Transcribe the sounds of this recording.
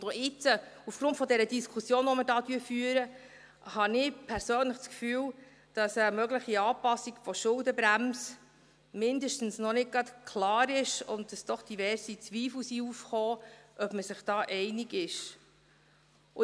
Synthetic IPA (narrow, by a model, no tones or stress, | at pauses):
doɪt͡səufɡ̥ɾʊntfɔdɛɾədiskʰusjoːnɔmədɑːtyːɾfyːəɾə | hɑnɪpʰɛɾsøːnləχt͡skfyːw | d̥ɑsəmœɡləχiɑːpɑsːiɡfɔʃʊldəbɾæms | mɪndəʃtn̩snɔnɪt̚ɡɑtkʰlɑːɾɪʃʊ̰nt̚d̥ɑsd̥ɔχd̥ivɛɾsit͡sʋiːfl̩siufχoːʔœb̥məsɪχd̥ɑːʔɛɪniɡɪʃ